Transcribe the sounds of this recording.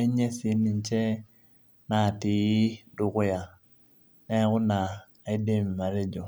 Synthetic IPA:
e˦ɲɛ˦si˨˦ni˨nt͡ʃɛ˦ | na˨ti˨ji˦du˨ku˦ja˨ | nɛ˦ku˦naː˨ | i˦de˦m˨ma˨ɾe˦d͡ʒo˨

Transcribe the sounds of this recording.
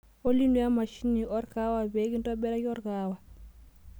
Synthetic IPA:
o˦li˦ndu˦ja˦ma˨ʃi˦nːiʔɔ˦ɾka˦wa˨be˦ki˦ntɔ˦bɛ˦ɾa˦ki˦ɔ˦ɾkawa˨

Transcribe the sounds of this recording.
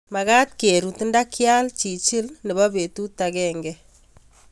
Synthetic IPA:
ma˨ka˦t̚ke˨ɾu˨tnda˦kja˦lt͡ʃi˨t͡ʃɪ˦lnɛ˨bɔ˦be˨tu˦ta˨kɛ˦ŋɡɛ

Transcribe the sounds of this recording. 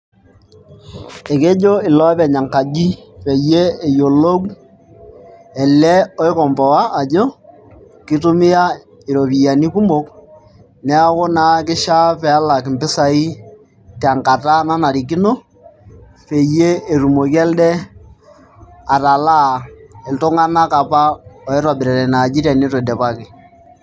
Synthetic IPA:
e˨ke˦d͡ʒo˦ɪ˨lɔ˦pɛ˨ɲa˨ŋka˨d͡ʒi˦pɛ˨je˦e˨jo˨lo˦k | ɛ˨lɛ˦ɔ˦ɪ˦kɔ˨mpɔ˨wa˦ʔa˨d͡ʒo˦ | kɪ˦tʊ˦mɪ˦a˦ | ɪ˨ɾo˨pi˨ja˨ni˦ku˦mbo˦k | nɛ˦a˦ko˦na˨˦k̬ɪ˦ʃa˦pɛ˨a˦la˨kɪ˨mpɪ˦sa˨i˦ | tɛ˨a˨ŋka˨ta˦na˦na˨ɾi˨k̬i˦no˦ | fe˨je˦e˨ɾu˨mo˨kɛ˦ldɛ˦ | a˨ta˨la˦ɛ˨ltʊ˦ŋa˦na˦ka˨pa˦ɔ˨ɪ˦ɾɔ˨bɪ˨ɾɛ˨ɾɛ˨na˨d͡ʒi˦ɾa˨ni˦tɔ˨dɛ˨pa˦kɪ˨

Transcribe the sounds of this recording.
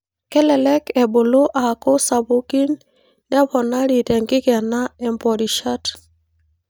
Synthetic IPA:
kɛ˦lɛ˨lɛ˦kɛ˨bo˨lo˦ʔa˨ko˦sa˨bo˦ki˦nː | ɛ˦βɔ˨na˦ɾi˨tɛ˨ŋɡɪ˦ɣɛ˨na˦ɛ˨mpɔ˨ɾi˨ʃa˦t

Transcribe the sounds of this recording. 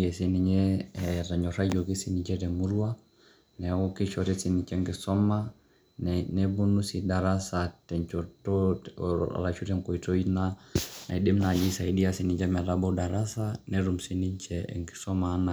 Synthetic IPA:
ɛ˨si˦ni˨ɲɛta˨ɲɔ˨ɾa˦d͡ʒɔki˦si˦ni˨t͡ʃɛ˦tɛ˨mu˦ɾu˦a˦ | nɛ˨ɔ˦ki˦ʃɔɾɛ˦si˦ni˨t͡ʃɛ˦ŋɡi˨sɔ˦ma˦ | nnɛbu˦nu˦si˨da˨ɾa˦satɛ˨ɲt͡ʃɔtɔ̰˨ | la˨ʃu˦ɾɛ˦ŋkɔ˨i˨tɔ˦i˦nana˨i˨ɗi˦mna˨d͡ʒi˦sa˨i˦di˦a˦si˦ni˨ɲt͡ʃɛ˦mɛ˨ɾabɔ˦da˨ɾa˦sanɛɾu˨m̩si˦ni˦ɲt͡ʃɛɛ̰ŋɡi̥˨sɔ˦mana

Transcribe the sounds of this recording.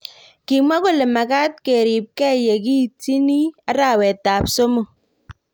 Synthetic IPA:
ki˨mwa˦ko˦˨le˨ma˨ka˦t̚ke˨ɾi˨p̚kɛ˦je˨ki˦ti˦ni˦a˦ɾa˨wɛ˨tːa˨pso˦mo˨

